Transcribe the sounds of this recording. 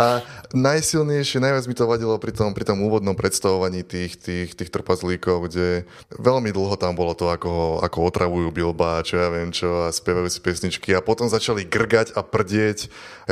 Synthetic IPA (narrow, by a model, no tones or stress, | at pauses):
ʔanajsilɲɛjʃɪɛnajʋad͡zmit̪ɔʋaɟilɔpɾit̪ɔmpɾit̪ɔmuːʋɔd̪nɔmpɾɛt̪st̪aʋɔʋaɲiːt̪iːxt̪iːxt̪iːxt̪r̩pazliːkɔʊɡɟɛ | ʋɛlmid̪l̩ˠɦɔt̪ambɔlɔt̪ɔakɔɦɔa̰kɔɔt̪ɾʔaʋujuːbilbaːt͡ʃɔjaːʋɪɛmt͡ʃɔaspjɛʋajuːsi̥pɛsɲit͡ʃkiapɔt̪ɔmzat͡ʃaliɡr̩ɡaɟapr̩ɟɪɛc